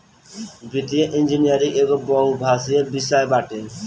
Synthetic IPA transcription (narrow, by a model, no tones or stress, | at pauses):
bʱit̪ieʔind͡ʒinijʌɾiekobɔɦubʱasiebisajbaʈe